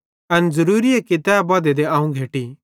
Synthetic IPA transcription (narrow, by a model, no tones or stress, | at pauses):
ɐnzɐɾuːɾiekɪt̪aːbɔːd̪ed̪eãːũɡʱeːʈi